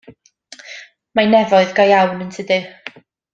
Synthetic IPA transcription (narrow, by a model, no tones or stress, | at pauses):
manɛvɔɨðɡajawnəntʰɨdɨ